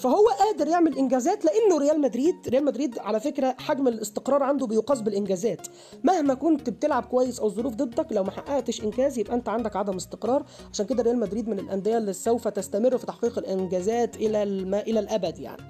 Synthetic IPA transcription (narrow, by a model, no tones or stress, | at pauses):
fæɦowːæʔæːd̪eɾjeʕmellʔenɡæːzæːt̪leʔænːoɾejæːlmæd̪ɾiːd̪ɾejæːlmæd̪ɾiːd̪ʕalæfekɾæħaɡmelest̪eqɾˤɑːɾˤʕand̪obejoqɑsˤbelʔɪnɡæzæːt̪ | mæhmækont̪bet̪elʕab̚kowæjːesʔæwzˤoɾuːfd̪ˤed̪ˤːɑklæwmæħaʔæʔt̪eʃʔenkæːzjebʔæʔænt̪æʕand̪ækʕad̪æmʔest̪eqɾˤɑːɾˤʕʕaʃæːnked̪æɾejæːlmæd̪ɾiːd̪menelʔænd̪ejælːisowfæt̪æst̪æmerːfi̥t̪aħqiːqelʔenɡæːzæːt̪ʔelælmæʔelælʔæbæd̪ja̰ʕni